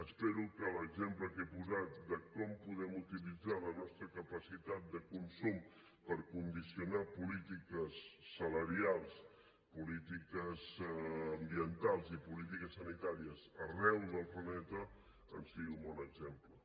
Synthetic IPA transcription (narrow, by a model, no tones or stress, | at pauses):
əspeɾukələɡzempləkepuzat̪̚d̪əkɔmpuðɛmut̪ilid͡zalənɔst̪ɾəkəpəsit̪at̪̚d̪əkunsum | pəɾkund̪isiunapulit̪ikəsːələɾialˠs | pulit̪ikəzəmbiənt̪alˠzipulit̪ikəsːənit̪aɾiəzərɛwðəlˠplənɛt̪ə | ə̰nsiɣiumbɔnəɡzemplə